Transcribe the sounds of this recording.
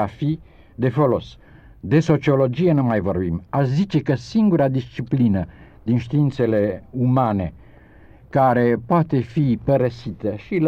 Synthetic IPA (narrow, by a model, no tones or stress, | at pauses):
afi | d̪e̞folo̞s | d̪e̞so̞t͡ʃio̞lo̞d͡ʒijenumajvo̞rbimaʃzit͡ʃe̞kəsiŋɡuɾad̪ist͡ʃiplinə | d̪inʃt̪iint̪se̞le̞umane̞ | kaɾe̞poat̪e̞fipəɾəsit̪əʃil